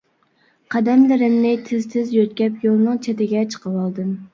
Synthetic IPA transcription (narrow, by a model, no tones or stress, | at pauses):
qʰɑd̪ɛmlɪɾɪmnɪt̪ʰɪzt̪ʰɪzjøt̪̚kʲɛpjolˠnɨŋt͡ʃʰet̪ɪɡʲɛt͡ʃʰə̥qʰəwɑlˠd̪ɨm